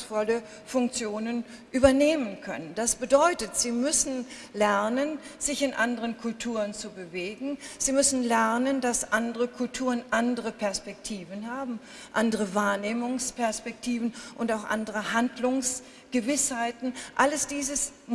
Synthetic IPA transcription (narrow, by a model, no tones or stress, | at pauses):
sfɔlə | fʊŋk̚t͡sjoːnənʔyːbɐneːmənkʰœ̰nənd̥asb̥ədɔʏtətz̥iːmʏsn̩ | lɛɐnənz̥ɪçɪnʔandəʁənkʰʊltʰuːʁənt͡subəveːɡŋ̩z̥iːmʏsn̩lɛʁnəndasʔandəʁəkʰʊltʰuːʁənʔandəʁəpʰɛɐspɛk̚tʰiːvənɦaːbm̩ | ʔandəʁəvaːɐneːmʊŋspɛɐspɛktʰiːvn̩ʔʊntaʊxʔa̰ndəʁəhandlʊŋs | ɡ̥əvɪshaɪtn̩ʔaləsd̥iːzəs